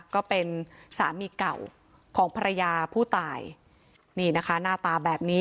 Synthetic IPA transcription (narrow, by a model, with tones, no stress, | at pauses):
kɔː˥˩pe˧nsa̰ː˩˦miː˧ka˨˩w | kʰɔː˩˦ŋpʰa˧ɾa˧jaː˧pʰuː˥˩t̪aː˨˧j | niː˥˩na˦˥kʰa˦˥naː˥˩t̪aː˧bɛː˨˩p̚niː˦˥